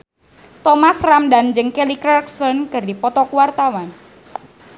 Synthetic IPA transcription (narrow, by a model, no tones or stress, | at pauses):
t̪ɔmasramdand͡ʒəŋkelikɾɛrksɔnkɨrdipɔt̪ɔkwart̪awan